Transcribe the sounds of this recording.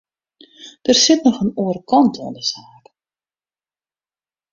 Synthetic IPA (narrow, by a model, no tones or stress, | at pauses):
d̥ərsɪtnɔxənuəɾəkɑntʰɔəndəsaːk